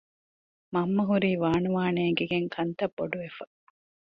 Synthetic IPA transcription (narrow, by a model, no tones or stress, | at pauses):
mɐmːɐɦuɾiːʋaːnuʋaːneːɡeɡeŋkʰɐnt̪ɐbːoɖuʋefɐ̥